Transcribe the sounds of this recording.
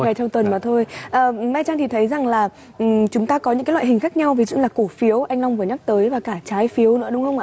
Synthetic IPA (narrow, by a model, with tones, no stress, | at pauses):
a˨˩t͡ɕɔ˧wŋ͡mt̪wə˨˩nmaː˨˩t̪ʰo˧jʔəː˨˩˨maː˧jt͡ɕaː˧ŋt̪i˨˩t̪ʰə˨˦jza˨˩ŋlaː˨˩ | ʔ̩˨˩t͡ɕʊ˨˦ŋ͡mt̪aː˧kɔ˨˦ɲɨ̰˧˥aː˨˦jla̰ː˧˨hi̟˨˩xaː˦˥k̚ɲa˧wvi˨˩˦zṵ˧˨laː˨˩ko˧˩fi˨˦əwʔa˧jŋla˧wŋ͡mvɨ˨˩əɲa˦˥k̚t̪əː˨˦jvaː˨˩kaː˧˩t͡ɕaː˨˦jfi˨˦əwnɨ̰˧˥əɗʊ˨˦ŋ͡mxə˧wŋ͡mʔaː˧˨